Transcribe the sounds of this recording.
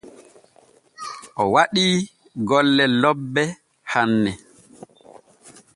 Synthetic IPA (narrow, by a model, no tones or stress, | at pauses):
ʔɔwaɗiː | ɡɔlːɛlɔbːɛ | hanːɛ